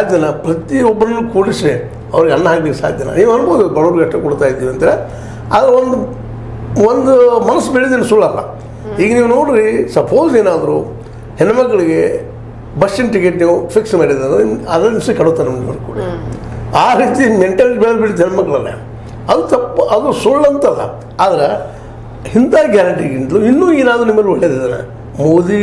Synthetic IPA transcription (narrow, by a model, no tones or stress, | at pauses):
saːd̪ʱjɐnɐpɾɐt̪iɔbːɐnɐnːukuːɽisɾe | ɐʋɐɾiɡɐnːɐɦaːkbekːsa̰ːd̪ʱjɐnɐ̰niːʋuɐnboːd̪ubɐɭoɾɡɐʈːɐkoɽt̪aːjid̪ːiːʋiɐnt̪ɐɾe | ɐ̰d̪ɐɾeond̪u | ond̪umɐnɐsːbeɭid̪insuɭːɐlːɐ̰ | iːɡɐniːʋuno̞ːɽɾisɐpʰoːd͡ʒeːnaːd̪ɐɾu | hɛnumɐɡːɐɭiɡe̞ | bɐsʈinʈik̬eʈniːʋupʰiksmaːɽid̪ɐnɐd̪ɐnimsɐkɐɽut̪ːaːnnimːɐ̰lkṵːɽɐ | aːɾiːt̪imeɳʈɐlbeɭlbiɽit̪̬ːuɦɛnmɐɡːɐɭɐlːḛ | ɐd̪ut̪ɐpːʔɐd̪ɾusuɭːɐnt̪ɐlːɐ̰ | aːd̪ɐɾe | hint̪aːɡjaːɾɐɳʈiɡint̪luinːuːeːnaːd̪ɾunimːɐlːoɭːed̪id̪ana̰ | moːd̪i